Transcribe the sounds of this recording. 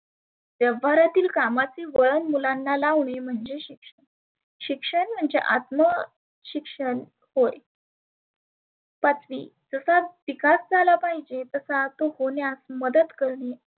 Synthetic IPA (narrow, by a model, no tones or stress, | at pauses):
ʋjəʋaɾat̪iːlkamat͡siːʋəɭənmulanːalaʋɳim̤əɳd͡zeɕikʂəɳ | ɕikʂəɳm̤əɳd͡zeʔa̰t̪mə | ɕikʂəɳ | hoj | pat͡sʋḭːd͡zəsaʋikasd͡zʱalapaɦid͡ʑet̪əsat̪ohoɳjasməd̪əd̪kəɾɳe